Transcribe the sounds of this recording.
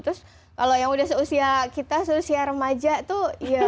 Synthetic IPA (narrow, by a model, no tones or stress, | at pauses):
t̪ɾʊs | kalojaŋudahsəusiakit̪asəusiaɾəmad͡ʒat̪ʊhja